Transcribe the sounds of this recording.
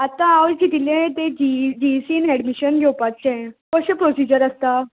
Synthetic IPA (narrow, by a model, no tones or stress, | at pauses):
at̪ãawlt͡ɕit̪ilẽt̪ed͡ʑid͡ʑisiːnɛɽmiɕənɡʱewpat̚t͡ɕẽkəɕepɾosid͡ʑəɾəst̪a